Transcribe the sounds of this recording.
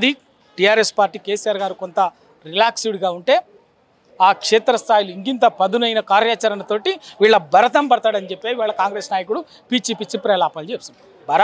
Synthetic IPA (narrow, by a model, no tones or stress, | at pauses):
ɐd̪i | ʈiaːɾespaːɾʈiːkeːsijaːɾɡaːɾuko̞nt̪ɐ | ɾilaːksiɽɡaːuɳʈe̞ː | aːkʂeːt̪ɾɐst̪ʰaːjiluiŋkint̪ɐpɐd̪unɐjnɐkaːɾjaːt͡ʃɐɾɐnɐt̪o̞ːʈiʋiːɭːɐbɐɾɐt̪̬ɐmbɐɽɐt̪aːɽɐnit͡ʃepːeːiʋaːɭːɐkaːŋɡɾeːsnaːjɐkuɽu | piːt͡ʃipit͡ʃːipɾɛlaːpɐld͡ʒeːsun | bɐɾɐ